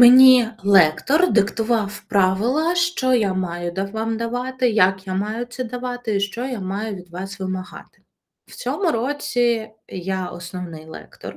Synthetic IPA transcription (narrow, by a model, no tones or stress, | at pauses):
menʲilˠɛkt̪ɔrd̪ɪkt̪ʊʋɑwpɾɑʋɪlˠɐʃt͡ʃɔjamɑjʊd̪ɐʋɑmd̪ɐʋɑt̪ɪjɐkjamɑjʊt̪sʲɛd̪ɐʋɑt̪ɪiʃt͡ʃɔjamɑjʊʋʲid̪ʋɑsʋɪmɐɦɑ̰t̪ɪ̥ | w̥t͡sʲɔmʊɾɔt͡sʲijaɔ̰snɔwnɪjlˠɛ̰kt̪ɔ̰r